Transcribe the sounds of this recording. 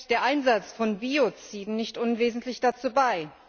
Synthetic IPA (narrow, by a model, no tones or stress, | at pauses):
d̥eːɐʔaɪnzat͡sfɔnbiot͡siːdn̩nɪçtʔʊnveːzn̩tʰlɪçd̥at͡suːbaɪ